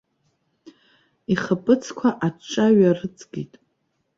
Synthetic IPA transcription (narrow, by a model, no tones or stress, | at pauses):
iχapʼɨt͡sʰkʷʰaʔat͡ʃʼaɥarɨt͡sʼɡʲitʼ